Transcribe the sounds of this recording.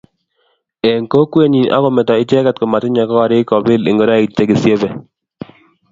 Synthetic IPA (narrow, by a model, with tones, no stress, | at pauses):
e˨ŋko˦kwe˦ɲi˨n˨ʔa̰˦kɔ˦˨mɛ˨tɔ˨ɪ˦t͡ʃɛ˦ka˨tkɔ˨ma˨tɪ˦ɲa˨kɔ˦kɔ˨˦ɾɪ˦kɔ˨bɪ˦lɪ̰˨ŋɡo˨ɾa˦˨te˦ɡɪ˨sje˦ve˨